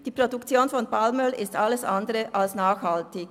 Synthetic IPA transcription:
d̥iːpʁ̥odʊkt͡sjoːnfɔnpʰalmœlɪstʔaləsʔandəʁəʔalsnaːxhaltɪç

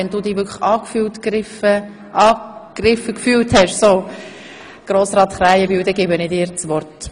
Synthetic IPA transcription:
ɛnduːd̪iːʋʏkʰə̥ɑːkfyltkɪfə | ʔɑːkrɪfəkfyːlthɛʃsoː | ɡ̥ɾoːsɾɑːt̪χɾæjəbiwd̪ɛɡ̥ɪbənɪdiːɾt͡sʋɔɾt

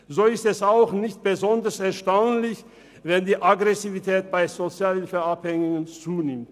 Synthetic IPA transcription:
zoːɪstɛsaʊxnɪçt̚b̥əzɔndɐsɛɐʃtaʊnlɪç | vɛndiːʔaɡʁɛsivitʰɛːt̚b̥aɪzot͡sjaːlɪfəaphɛŋɪŋənt͡suːnɪmt

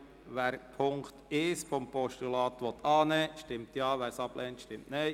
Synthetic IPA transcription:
ʋɛːɾpʰʊŋkt̪ɪsfɔmpɔʃtulɑːt̪ʋɔt̪ʰɑːnɛʃtɪmt̪jɑːʋæːɾsɑb̥lʔɛːntʃtɪmtnɛɪ

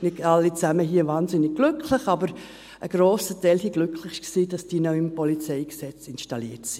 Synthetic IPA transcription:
nɪdɑlːit͡sæməɦiːəvɑːnzɪnɪɡ̚ɡ̥lʏkʰlɪχɑbəɾ | ʔəɡ̥ɾoːsətɛɪlsiɡ̥lʏkʰlɪχɪʃksiːd̥ɑsd̥iːnoʊɪmpɔlit͡sɛɪɡsɛt͡sɪnʃtɑliːətsi̥

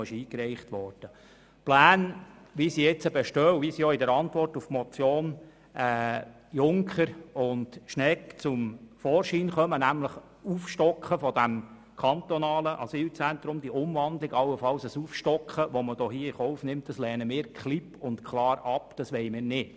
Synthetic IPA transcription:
ɪʃiːkɾɛɪχtʋɔrd̥ə | plæːnʋisiɪt͡səbɛʃtœːwʋisijɔɪdəɾɑntʋɔrtufmɔt͡sjoːn | ɛː | jʊŋkχəɾʊndʃnɛkt͡sʊmfɔːɾʃiːnχœmənæmləχ | uːfʃtɔkχəfɔdæm | kʰɑnt̪ɔnɑːləʔɑ̰siːlt͡sænt̪ɾʊmd̥̪iʔʊmvɑnd̪lɪɡɑwːəfɑlsəsufʃtɔkχəʋɔməd̥ɔːɦiːəiχɔʊfnɪmt̚d̥ɑslɛːnəmɪːkχlipʊntkʰlɑːɾɑpd̥ɑsʋɛɪmɪːnɪt

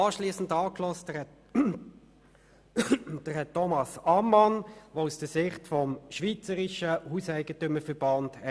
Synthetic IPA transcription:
ɑːʃliːsən̩dɑːklɔstɛ | d̥əʁhɛtʰːɔmɑsɑmːɑnʋoːusd̥əsɪχtfɔmʃʋit͡səɾɪʃəhuːsæɪɡ̥ətʏməfəb̥ɑnd̥ɛ

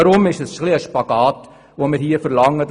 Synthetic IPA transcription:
ɾʊmɪʃəsχliəʃpɑɡ̥ɑːt | ʋomɪɾhiːəfəɾlɑŋːəd

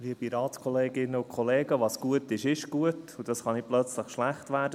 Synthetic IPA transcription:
ʋiəpiɾɑːtkʰɔleːɡɪnːəukχɔleːɡəʋɑsɡ̥uətɪʃɪʃɡ̥uətud̥ɑsχɑniplœt͡sləχʃlæχtʋæːɾdə

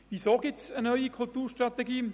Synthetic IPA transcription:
ʋisoːɡɪt͡sənœʏikʰult̪uːɹʃtʁat̪ɛɡiː

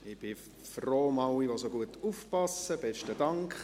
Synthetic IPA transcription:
ɪb̥ɪ | froːmɑwiʋosoɡuətufpɑsəb̥ɛʃtəd̥ɑŋkχ

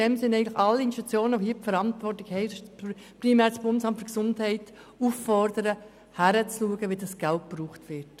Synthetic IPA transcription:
ɛmsɪnːɛɪɡŋnlɪxɑlːəinʃtut͡sjoːnəʋohɦiːpfəɾɑntvʋɔrtlɪkhɛɪ | pɾimæːɾsb̥ʊndəsɑmtfʏ̥ɾksʊndhɛɪt | ufːɔɾdəɾə | hæɾət͡sluəɡəʋidɑsɡ̥ælt̚b̥ɾuːχtʋɪɾt

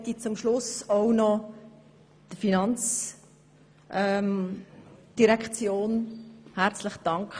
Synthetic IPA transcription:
t̪it͡sʊmʃlʊsoʊnɔ | d̥əfinɑnt͡s | ʔɛm | d̥iɾɛkt͡sjoːnhæɾt͡slɪχd̥ɑŋkχ

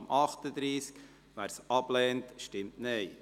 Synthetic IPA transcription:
mʔɑχtəd̪ɾiːsk | ʋæːɾsɑb̥lɛːntʃtɪmtnɛɪ

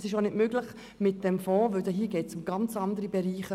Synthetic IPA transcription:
sɪʃonɪtmøːɡlɪχ | mɪt̚d̥ɛmfɔːʋøwdɛɦiːəɡɛːtsʊmɡ̥ɑnt͡sɑndəɾibɛɾiːχə

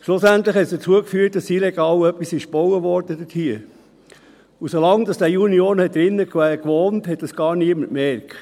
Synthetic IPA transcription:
ʃlʊsænt̪ləχhɛtsd̥ət͡suəkfyːət̚d̥ɑsilɛɡɑːlœpːisɪʃb̥ɔwəʋɔɾd̥əd̥ətʰhiə | ʊsolɑŋd̥ɑsd̥æːunioːnhɛt̚dɾɪnːəkwæːkʋoːnthɛt̚d̥ɑsɡ̥ɑːɾniəməntmɛɾk

